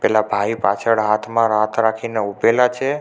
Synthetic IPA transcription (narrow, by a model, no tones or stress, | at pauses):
pɛlabʱaipa̰t͡ʃʰəɽɦat̪ʰmãɾat̪ʰɾakʰineubelat͡ʃʰe